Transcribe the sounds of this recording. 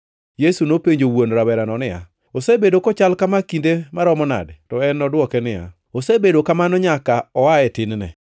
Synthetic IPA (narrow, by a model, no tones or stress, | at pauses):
jesunopeɲd͡ʒowonɾawɛɾanɔnɪja̰ | osebedokɔt͡ʃalkamakindemaɾɔmɔna̰dtɔɛnɔdwɔkɛnɪja̰ | osebedokamanɔɲakaɔaɛtɪnnɛ̰